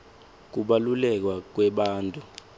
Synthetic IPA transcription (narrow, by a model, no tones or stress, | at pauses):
k̬uɓalulɛk̬wak̬wɛɓaːntʼu